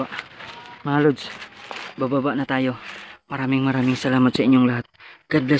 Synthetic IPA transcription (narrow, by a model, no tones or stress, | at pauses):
a | malud͡ʒ | bababaʔnat̪ajomaɾamiŋmaɾamiŋsalamat̪saiɲuŋlaɦat̪̚ɡ̥abla